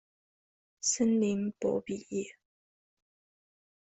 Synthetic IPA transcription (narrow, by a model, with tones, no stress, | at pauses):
sə˥nli˧˦ŋpɔ̰˧˥pi˨˩jɛ˥˩˨